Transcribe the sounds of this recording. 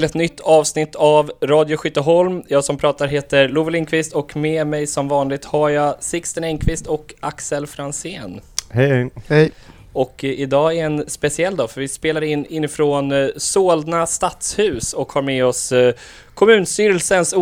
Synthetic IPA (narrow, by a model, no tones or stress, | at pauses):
lɛt̪nʏt̪ʰːɑːvsnɪt̪ʰːavɾɑːd̪jʊɧʏt̪ːəɦɔlmjɑːɡsɔmpʰɾɑːt̪aɾɦeːt̪əɾluvəlɪnkʰvɪst̪ɔkmemɛjsɔmvɑːnlɪɡ̚t̪haɾjasɪkst̪ənɛŋkʰvɪst̪ɔkaksɛlfɾanseːnhɛ | ɔkɪd̪ɑːæɛnspɛsɪɛlːd̪ɔfœɾvɪspeːlaɾɪnːɪnːɪfɾoːnsoːld̪nast̪at̪shʉ̟ːsɔkhaɾmɛɔs | kʰɔmʉ̟ːnst̪yːɾɛlsəns